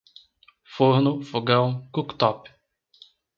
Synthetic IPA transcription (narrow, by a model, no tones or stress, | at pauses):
foɾnʊfoɡɐ̃w̃kukt̪ɔp